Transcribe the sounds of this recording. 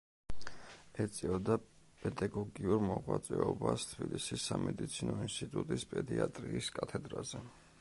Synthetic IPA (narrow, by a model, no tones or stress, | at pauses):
ɛt̪sʼiɔd̪a | pʼɛd̪aɡɔɡiuɾmɔʁwat̪sʼɛɔbast̪ʰb̥ilisisːamɛd̪it̪sʰinɔinst̪ʼit̪ʼut̪ʼispʼɛd̪iat̪ʼɾiːskʼat̪ʰɛd̪ɾazɛ